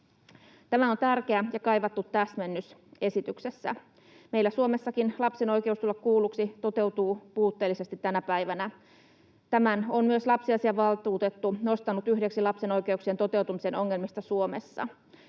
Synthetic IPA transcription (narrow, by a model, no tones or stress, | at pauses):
t̪æmæont̪ærk̟eæjɑkɑjʋɑt̪ːut̪ːæsmenːyse̞sit̪ykse̞sːæ̰ | me̞ilːæsuome̞sːɑkinlɑpseno̞ike̞ust̪ulːɑkkuːlːˑuksit̪o̞t̪e̞wt̪uːpuːt̪ːeːlːise̞st̪it̪tːænæpæiʋænæ | t̪æmænonmyøslɑpsiɑsiɑʋɑlt̪uːt̪et̪ːuno̞st̪ɑnut̪yhde̞ksilɑpseno̞jke̞uksient̪ot̪e̞ut̪umise̞no̞ŋːe̞lmist̪ɑsuomesːɑ̰